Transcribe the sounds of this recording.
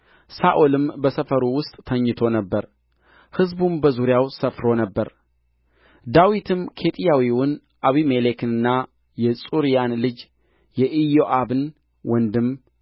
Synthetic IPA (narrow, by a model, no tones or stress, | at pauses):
saʔolɨmbəsəfəɾuwʊst̪ʼt̪ʰəɲːɨt̪ʰo̞nəbːəɾ | hɨzbumbəzuɾjawsəfɾo̞nəbːəɾ | d̪awit̪ʰɨmkʰe̞t̪ʼijawiwʊn | ʔaβimelekɨnɨnːa | jɛsʼuɾijanlɨd͡ʒ | jɛʔijoʔaβɨn | wɔnd̪ɨm